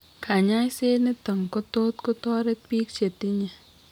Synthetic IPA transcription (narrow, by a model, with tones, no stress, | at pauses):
kʰa˨ɲa˦jse˦nɪ˦tə˨ŋko˦to˦tko˦tɔ˦ɾe˦tpi˦kt͡ʃe˨ti˦ɲe˨